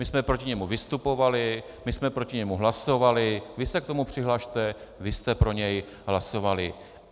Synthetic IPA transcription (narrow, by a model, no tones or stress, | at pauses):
mɪsmɛpɾocɪɲɛmuvɪst̪upo̞valɪ | mɪsmɛpɾocɪɲɛmuɦlaso̞valɪvɪsɛk̚t̪o̞mupr̝̥ɪɦlaːʃt̪ɛvɪst̪ɛpɾo̞ɲɛj | ɦlaso̞valɪ